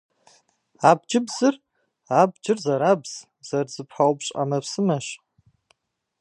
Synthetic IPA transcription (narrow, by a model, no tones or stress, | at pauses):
aːb̚d͡ʒɪbzɨr | aːb̚d͡ʒɪrzɐɾaːbz̥ | z̥ɐrzɨpħawpɕʼa̰mɐpsɨmɐɕ